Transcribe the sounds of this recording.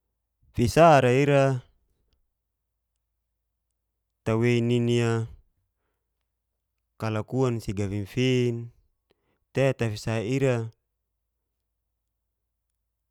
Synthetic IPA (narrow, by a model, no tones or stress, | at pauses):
fisaɾaiɾa | t̪aweininia | kalakuansiɡaβinfin | t̪ɛt̪afisaiɾa